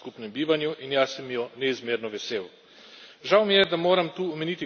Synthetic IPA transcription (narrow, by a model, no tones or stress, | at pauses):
kupnɛmbiːʋanjuʔinjaːsɛmjɔnɛizmeːɾnɔʋɛseːw | ʒawmijɛd̪amoːɾamt̪uːɔmɛnit̪i